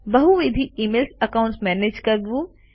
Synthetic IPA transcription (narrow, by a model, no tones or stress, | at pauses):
bɐɦuʋeːd̪ʱiiːmeːlsɐkaʊ̃ɳʈsmɛːneːd͡ʒkɐɾʋu